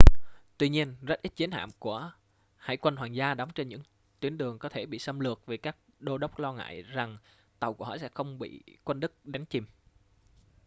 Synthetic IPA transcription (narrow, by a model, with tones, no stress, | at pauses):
t̪wi˧ɲi˧ənzə˦˥t̚ʔi˦˥t̚t͡ɕi˨˦nɦa̰ː˧˨mku˧˩ə | ha̰ː˧˩jkwə˧nɦwaː˨˩ŋzaː˧ɗɔ˨˦wŋ͡mt͡ɕe˧nɲɨ̰˧˥ŋ | t̪wi˨˦ənɗɨ˨˩əŋkɔ˨˦t̪ʰe˧˩ɓḭ˧˨sə˧mlɨ˨˩ək̚ve˨˩kaː˦˥k̚ɗo˧ɗə˦˥wk͡p̚lɔ˧ŋa̰ː˧˨jza˨˩ŋ | t̪ə˨˩wku˧˩əhɔ̰˧˨˩sɛ̰˧˥xə˧wŋ͡mɓḭ˧˨kwə˧nɗɨ˦˥k̚ɗa˨˦jŋ̟t͡ɕi˨˩m